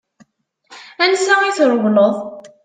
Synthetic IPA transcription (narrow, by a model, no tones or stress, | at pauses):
ænsæiθɾˤəvləðˤ